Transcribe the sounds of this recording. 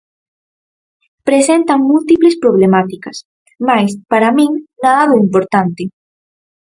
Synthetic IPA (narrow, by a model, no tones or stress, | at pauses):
pɾesent̪aŋmult̪iplespɾoβ̞lemat̪ikɐs | majspaɾamĩŋnaðaðʊimpoɾt̪ant̪ɪ